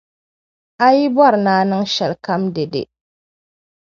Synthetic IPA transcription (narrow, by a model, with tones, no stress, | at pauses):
a˦ji˦bwa˦˨ɾnaː˦nɨ˦ŋʃɛ˨lka˦mde˨dḛ˨